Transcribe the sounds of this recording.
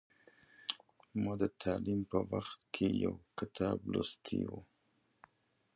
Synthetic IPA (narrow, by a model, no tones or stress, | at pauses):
mɑd̪ət̪ʰɑlimpəwaxt̪kʰeja̰wkɪt̪ʰɑblost̪ʰḭwu